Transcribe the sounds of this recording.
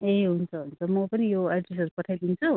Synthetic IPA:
eɦunt͡sʰʌɦunt͡sʰʌmʌpʌnijoaɖres̬ʌɾupʌʈʰajd̪int͡sʰu

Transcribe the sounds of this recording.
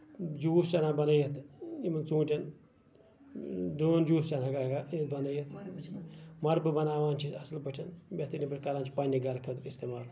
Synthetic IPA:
d͡ʒuːst͡ʃɐnabɐnɐjɐt̪imɐnt͡sũːʈʲɐn | d̪oːnd͡ʒuːst͡ʃɐnakaɡaet̪bɐnɐjɐt̪ʰ | mɐɾbɨbɐnaːʋaːnt͡ʃʰiɐslbəʈʲʰɐnbʲɐt̪inʲipʲiʈʲkɐlaːnt͡ʃʰi̥pɐnʲiɡɐɾkʰɐt̪ist̪eːmaːl

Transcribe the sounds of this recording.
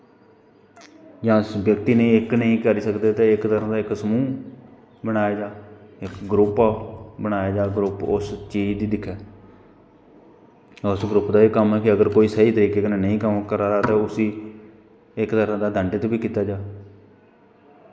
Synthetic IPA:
jãːsbjəkt̪iːnẽːɪknəĩːkəɾiːsəkd̪eːt̪eːɪkt̪əɾãːd̪aːɪksəmũː | bəɽ̃aːjaːd͡ʒaːɪkɡɾʊpaːbəɽ̃aːjaːd͡ʒaːɡɾʊpʊst͡ʃiːd͡ʒd̪iːd̪ɪkʰːɛː | ʊsɡɾʊpd̪aːeːkəmɛːkɪəɡəɾkoːiːsəiːt̪əɾiːkeːkːneːnəĩːkəmkəɾaːɾaːt̪ãːʊsiː | ɪkt̪əɾãːd̪aːd̪ʱəɳɖɪt̪ːbiːkiːt̪aːd͡ʒaː

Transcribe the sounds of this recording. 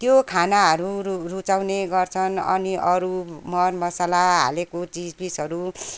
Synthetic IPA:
t̪jokʰanaɦʌɾurut͡sawneɡʌrt͡sʰʌnʌ̰niʔʌɾumʌrmʌsalaɦa̰lekot͡sid͡zpisɦʌɾu

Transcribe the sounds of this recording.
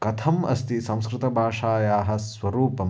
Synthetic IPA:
kɐt̪ʰɐmɐ̰st̪isɐ̃w̃skɾɪt̪ɐbʱaːʂaːjaːɦɐ̆sʋɐɾuːpɐm

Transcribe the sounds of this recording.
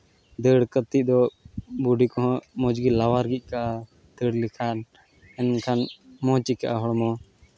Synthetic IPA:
d̪əɽkət̪id̪ɔbuɖikɔɦɔ̃mɔd͡ʒɡilawaɾɡic̚ˀkaʔa | d̪̥əɽlikʰan | ɛnkʰanmɔ̃t͡ʃikaʔaɦɔɽmɔ

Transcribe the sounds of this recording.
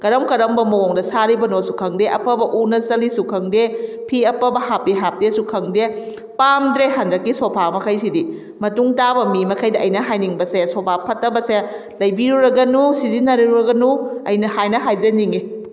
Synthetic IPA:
kɐɾɐmkɐɾɐmbɐmɐwoŋdɐsaɾibɐnosukʰɐŋdeʔɐpɐbɐʔunɐsɐlisukʰɐŋdepʰiɐpɐbɐhapiɦap̚desukʰɐŋde | pamdɾeɦandɐkːisopʰamɐkʰajsidi | mɐtuŋtabɐmimɐkʰajdɐʔːjnɐɦajniŋbɐsesopʰapʰɐtːɐbɐse | lɐjbiɾuɾɐɡɐnusizinɐɾiɾuɾɐɡɐnuɐ̰jnɐhajnɐɦajzɐniŋi

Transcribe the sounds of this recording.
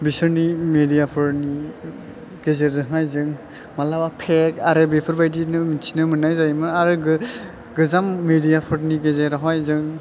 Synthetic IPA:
bisɯɾnimedijapʰɯɾni | ɡ̥ezeɾdɯɦajzɯŋ | malawapʰekaɾɯbepʰɔɾbajdinɯmitʰinɯmɯnajzajmɯnaɾɯɡɯ | ɡɯzamːedijapʰɔɾniɡezeɾaɦɔjzɯŋ

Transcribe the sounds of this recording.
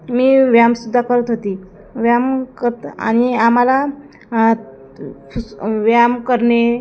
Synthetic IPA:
miːʋjamsud̪ʱːakəɾət̪ɦot̪i | ʋjamkət̪a̰ñiam̤ala | ʋjamkəɾɳe

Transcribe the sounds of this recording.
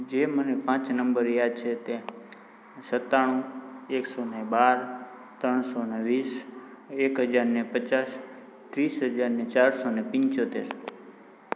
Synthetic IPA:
d͡ʒemənepãt͡ʃnəmbəɾjad̪̚t͡ʃʰet̪e | sət̪ːaɽ̃ũeksonebaɾ | t̪ɾəɳ̃soneʋis | ekɦəd͡ʒaɾnepət͡ʃas | t̪ɾisɦəd͡ʒaɾnet͡ʃaɾsonepɪ̃ɲt͡ʃot̪eɾ

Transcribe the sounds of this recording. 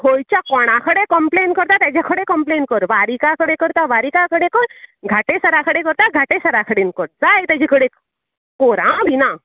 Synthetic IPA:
hojt͡ɕjakɔɽ̃akʰəɽekəmplenkəɾt̪at̪jad͡ʑakʰəɽekəmplenkəɾʋaɾikakəɽekəɾt̪aʋaɾikakəɽekəɾɡʱaʈesəɾakʰəɽekəɾt̪aɡʱaʈesəɾakʰəɽenkəʈ̚d͡zajt̪jad͡ʑʰikəɽe | koɾãb̪ʱina

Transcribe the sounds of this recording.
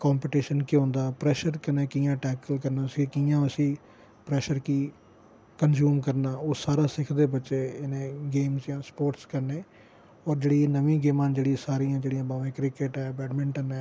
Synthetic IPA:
kaːmpiʈiːʃənkɪɦõːnd̪aːpɾɛːʃəɾkənẽːkijãːʈɛːkəlkəɾnaːsĩːkijãːəsĩː | pɾɛːʃəɾkiː | kənzjuːmkəɾnaːoːsaːɾaːsɪkʰd̪eːbətːʃeːɪnẽːɡeːmzjãːspoːɾʈskəɾneː | ɔːɾd͡ʒeːɽiːnəʋĩːɡeːmãːnd͡ʒeːɽisaːɾiːãːd͡ʒeːɽijãːbaːʋẽːkɾɪkɪʈɛːbɛːɖmɪ̃ɳʈənɛː

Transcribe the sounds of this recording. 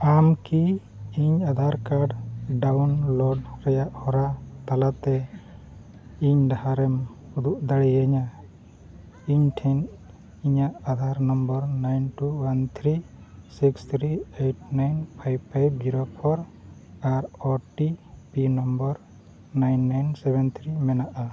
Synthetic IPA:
amki | iɲad̪ʱaɾkaɖɖawnlɔɖɾɛjaʔhɔɾat̪alat̪ɛ | iɲd̪ahaɾɛm | hud̪uʔd̪aɽijaɲa | iɲʈʰɛn | iɲaʔad̪ʱaɾnɔmbəɾnajnʈuwant̪ʰɾi | sikst̪ʰɾiejʈnajnpʰajbpʰajbd͡ʒiɾopʰɔɾaɾɔʈipinɔmbɔɾ | najnːajnsɛbɛnt̪ʰɾimɛnaʔa

